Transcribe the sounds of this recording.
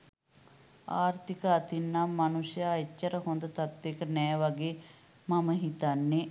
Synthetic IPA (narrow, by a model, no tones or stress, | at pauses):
aːɾt̪ʰikɐːt̪inːɐmɐnuʂjɐːjɐt͡ʃːɐɾɐɦond̪ɐt̪ɐt̪ʋekɐnɐjɐʋɐɡe | mɐmɐɦit̪ɐnːi